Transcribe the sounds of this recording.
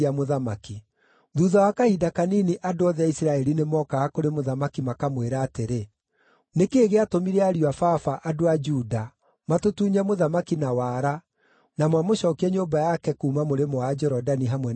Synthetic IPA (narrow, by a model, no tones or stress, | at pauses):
amoðamaki | ðuðawakaidakaniniʔadoɔðɛaisɾaɛɾinemɔkaakoɾemoðamakimakamweɾaːteɾe | nekeːɣeatomiɾɛaɾiafafaʔadoad͡ʒuːda | matotuːɲamoðamakinawaːɾa | namwamoɕɔːkiɛɲobajakɛkuːmamoɾemɔwad͡ʒɔɾɔdaniɦamwɛ